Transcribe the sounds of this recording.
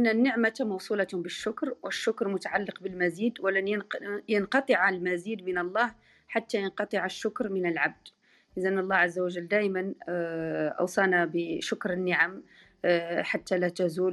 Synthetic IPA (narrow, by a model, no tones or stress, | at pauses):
ʔɪnːænːəʕmat̪mɑwsˤulɑt̪hʊmbəʃːʊkɾwəʃːʊkɾmʊt̪aʕalːəqbəlmæziːd̪wəlanjjənqɑt̪ˤəʕalmæziːd̪mənɑlˤːɑːh | ħat̪ːajɑnqɑt̪ˤəʕaʃːʊkɾmənəlʕab̚d̪ | ʔəzænːɑlˤːɑʕazːawæʒəlːd̪æʔman | ʔɑ̰wsˤɑnabəʃʊkɾənːəʕam | ħat̪ːælæt̪æzuːl